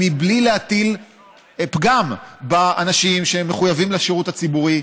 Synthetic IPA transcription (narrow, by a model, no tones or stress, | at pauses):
iblileat̪il | pɡambaanaʃimʃeemːeχujavimleʃeʁutat͡sibuʁi